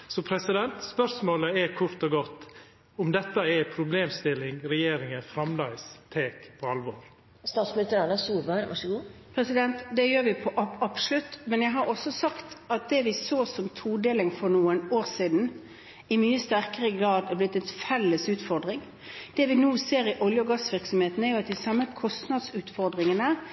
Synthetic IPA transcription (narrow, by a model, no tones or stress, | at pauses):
sɔpʰɾɛsɪd̪ɛnt̪spœɾʂmoːləɛkʰʊɾt̪ɔɡɔt̪ː | ʊmd̪ɛt̪ːəɛpʰɾʊbleːmst̪ɪlːɪŋɾɛjeːɾɪŋəfɾɑmlɑɪst̪ʰeːkpʰɔɑlʋoːɾ | st̪ɑːt̪smɪnɪst̪əɾɑnɑsuːbəɾʋɑ̰ʂəɡuːpʰɾɛsɪd̪ɛnt̪d̪ɛjøːɾʋɪpʰɔʔɑɑpslʉt̪ːmɛnjæɪɦɑɾɔsːɔsɑkt̪ɑt̪̚d̪ɛʋɪsoːsɔmt̪ʰuːd̪eːlɪŋfɔɾnuːənoːɾsiːd̪n̩ | ɪmyːəst̪æɾkəʁəɡɾɑːd̪ɛblɪt̪ːɛnfɛlːəsʉːt̪fɔɾd̪ʁɪŋ | d̪̥ɛʋɪnuːseːɾɪʔɔljəɡɑsʋɪɾksɔmheːt̪næɾjʊɑt̪̚d̪ɪsɑmːəkʰɔst̪nɑd̪sʉːt̪fɔɾd̪ʁɪŋənə